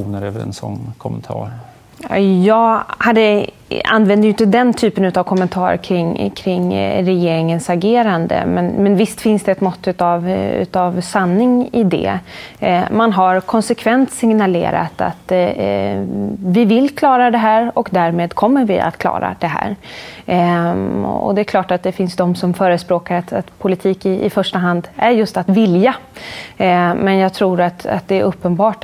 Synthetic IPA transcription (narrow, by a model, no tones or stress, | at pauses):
uːnəɾɛːvəɾɛ̰nsɔ̰nːkʰɔmɛnt̪ʰɑ̰ːɾ | jɑːɡhad̪ːə | a̰nːvɛnd̪əjʏɪnt̪əd̪ɛnt̪ʰyːpənʉ̟t̪avkʰɔmːɛnt̪ʰɑːɾkʰɾɪŋkʰɾɪŋːɾɛjeːɾɪŋənsaɡeːɾand̪ə̰mɛnmɛnvɪst̪fɪnsd̪ɛːt̪mɔt̪ːʉt̪avʉ̰t̪avsanːɪŋɪd̪ɛ̰ | manɦaɾkʰɔnsɛkʰvɛnt̪sɪŋnalḛːɾa̰t̪a̰t̪ | vɪvɪlkʰlɑːɾad̪ɛɦæːɾɔkd̪æːɾmeːd̪kʰɔmːəɾvɪa̰t̪kʰlɑ̰ːɾa̰d̪ɛɦæ̰ːɾ | ɔ̰d̪ɛːkʰlɑːʈat̪̚d̪ɛfɪnsd̪ɔmsɔmfœːɾəspɾoːkaɾat̪at̪pʰʊlɪt̪ʰiːkɪɪfœʂʈaɦand̪æɾjɵst̪at̪vɪlja | mɛnjɑːɡt̪ʰɾuːɾat̪a̰t̪̚d̪ɛːɾʔɵpːənbɑːʈ